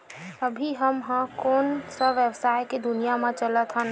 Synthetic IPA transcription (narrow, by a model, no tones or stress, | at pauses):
əbʱiɦəmɦãkoːnsəʋjəwsaːjked̪ʊnijamẽt͡ʃələt̪ɦə̃